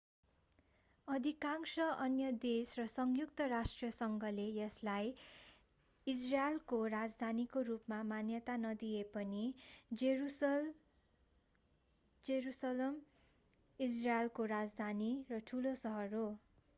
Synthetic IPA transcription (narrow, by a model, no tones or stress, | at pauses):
ʌd̪ʱikaŋsʌʔʌnjʌd̪esrʌsʌŋjukt̪ʌrasʈriʌsʌŋɡʱʌlejʌslaj | israelkorad͡zd̪ʱanikorupmamanjʌt̪anʌd̪ijepʌni | d͡zeɾusʌlʌm | israelkorad͡zd̪ʱanirʌʈʰulosʌɦʌro